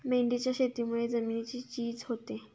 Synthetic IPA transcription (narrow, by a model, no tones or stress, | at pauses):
meɳɖit͡ɕaʃet̪imued͡zəminit͡ɕit͡ɕid͡ʑɦot̪e